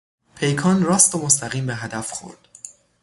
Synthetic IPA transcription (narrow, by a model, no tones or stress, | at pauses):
pʰe̞jkʰɒːnrɒːst̪omost̪ʰæɣiːmbeɦæd̪æfxo̞̰ɾd̪̥